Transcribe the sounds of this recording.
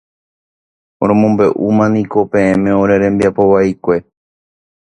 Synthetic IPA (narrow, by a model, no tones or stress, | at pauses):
oɾ̃õmõ̞mbe̞ʔumãnĩko̞pẽ̞ẽmẽ̞oɾe̞ɾẽ̞mbiapo̞ʋaikʷe̞